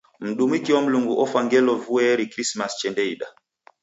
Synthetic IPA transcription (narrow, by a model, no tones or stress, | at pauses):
m̩ɗumikiwɔm̩luŋɡuʔɔfaŋɡɛlɔvuɛɾikɾismast͡ʃɛndɛiɗa